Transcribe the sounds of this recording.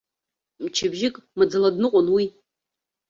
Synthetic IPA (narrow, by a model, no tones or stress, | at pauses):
mt͡ʃʰɪbʒɪkʼmɨd͡zaladnɨqʷʼʊnwi